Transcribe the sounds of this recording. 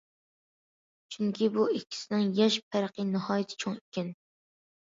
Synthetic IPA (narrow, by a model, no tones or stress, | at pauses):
t͡ʃʰyŋkʲibuikʲʰːi̥sɪnɪŋjɛʃp̚ʰæɾqinɨhɑːjɪt̪ʰɪ̥t͡ʃʰoŋikʲʰɛn